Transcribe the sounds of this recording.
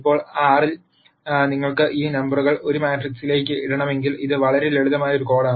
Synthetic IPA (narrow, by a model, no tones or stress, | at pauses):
ipːo̞ːɭaːril | niŋːɐɭkɨʔiːnɐmbɐruɣɐɭo̞ɾumaːʈriksile̞ːkʲːɨiɽɐɳɐme̞ŋɡiliðɨʋɐɭɐɾeleɻuðɐmaːjɐoɾuko̞ːɽɐm